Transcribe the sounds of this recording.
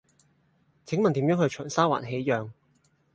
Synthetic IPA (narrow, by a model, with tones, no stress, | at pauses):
t͡sʰɪ˨˥ŋmɐ˨nt̪i˨˥jœː˨˥ŋhɵ˧ɥt͡ʃʰœː˨˩nsaː˥wa̰ː˨˩nɦe˨˥jjœː˨˧ŋ